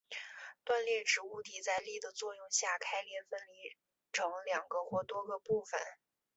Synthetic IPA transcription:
t̪wa˥˧nljɛ˥˩ʈ͡ʂɻ̩˧˥u˥˩t̪i˨˩t͡sa˥˧ɪli˥˩d̪ə˩t͡swɔ˥˧jʊ˥˧ŋɕja˥˩kʰa˥ɪljɛ˧˥nfə˥nli˧˥ | ʈ͡ʂʰɤ˧˥ŋljɑ˨˩ŋɡə˦xwɔ˧˥t̪wɔ˥ɡə˧pu˥˩fə̰˨˩n

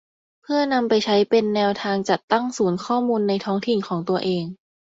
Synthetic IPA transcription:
pʰɯ˥˩ɐna˧mpa˧jt͡ɕʰa˦˥jpe˧nːɛː˧wt̪ʰaː˧ŋt͡ɕa˨˩t̪ːa˥˩ŋsuː˩˦nkʰɔː˥˩muː˧nːa˧jt̪ʰɔː˦˥ŋt̪ʰi˨˩nkʰɔː˩˦ŋt̪u˧ɐʔeː˧ŋ

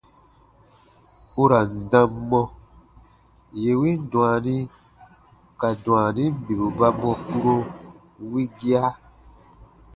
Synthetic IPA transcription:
u˦ɾa˨n̩˨dã˧mːɔ̃˦ | je˨wĩ˦n˦dw̃a˨nĩ˦ | ka˨dw̃ã˨nĩ˦m̩˦bi˨bu˨ba˦mɔ̃˧pu˦ɾo˦ | wi˦ɡi˦a˦

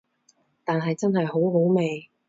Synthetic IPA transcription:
t̪aː˨nɦɐ˨jt͡sɐ˥nɦɐ˨jɦo˨˥wɦo˨˥wme˨j

